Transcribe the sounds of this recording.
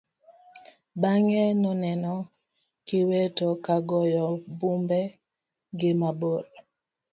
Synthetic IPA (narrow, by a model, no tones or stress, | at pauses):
baŋɛnɔnɛnɔ | kɪwetokaɡɔjɔbumbɛ | ɡɪmabol